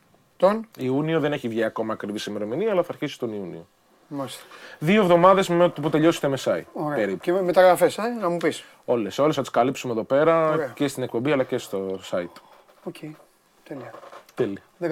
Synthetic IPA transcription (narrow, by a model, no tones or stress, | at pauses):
t̪oniunio̞ðe̞ne̞çivʝiɐko̞mɐːkɾivisemeɾo̞miniɐlɐθɐɾçisi̥t̪o̞niunḭo̞ | mɐst̪ðiovðo̞mɐðe̞zmet̪put̪e̞ʎo̞se̥t̪emesɐḭoɾepeɾipumet̪ɐɣɾɐfesɐnɐmupis | o̞le̞so̞lesθɐt̪i̥skɐlipsume̞ðo̞pe̞ɾɐɾece̞st̪ine̞k̚po̞mbiɐlɐce̞st̪osɐit̪ | ocʰej | t̪eliɐt̪eliɐð